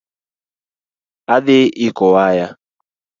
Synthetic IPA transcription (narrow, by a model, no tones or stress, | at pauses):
aðɪʔikɔwaja